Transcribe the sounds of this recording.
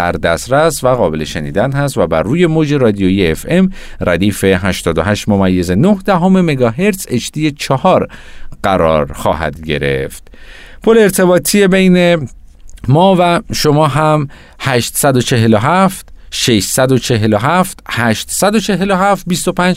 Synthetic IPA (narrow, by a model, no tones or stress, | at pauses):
æ̰ɾd̪æst̪ɾæsvæɣɒːbe̞leʃenḭːd̪ænhæst̪væbæ̰ɾːuːje̞mod͡ʒe̞ɾɒːd̪ijoijeefe̞mræd̪iːfe̞ɦæʃt̪ɒːd̪oɦæʃt̪momæjːe̞ze̞nohd̪æɦome̞me̞ɡɒɦe̞ɾt̪se̞t͡ʃd̪iːjet͡ʃʰɒhɒːɾɢ̥æɾɒːɾxɒ̰ːɦæ̰d̪ɟe̞̰ɾe̞̰ft̪pʰoleːɾt̪ʰe̞bɒːt̪ʰije̞be̞jne | mɒːvæʃo̞mɒːɦæm | hæʃt̪sæd̪o̞t͡ʃʰe̞ɦe̞loɦæft̪ʃeʃsæd̪o̞t͡ʃʰe̞ɦe̞loɦæft̪hæʃt̪sæd̪o̞t͡ʃʰe̞ɦeloɦæft̪̚bist̪o̞pʰæːnd͡ʒ